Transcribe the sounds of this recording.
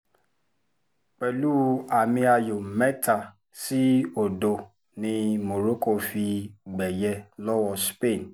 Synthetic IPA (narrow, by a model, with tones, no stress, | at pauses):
k͡pɛ˨lu˦a˨mĩ˧a˧jo˨mɛ˦ta˦˨ | si˦o˨do˧ | nĩ˧mo˨ɾo˦ko˦˨fi˧ɡ͡bɛ˨jɛ˧lɔ˦wɔ˧spe˦˨n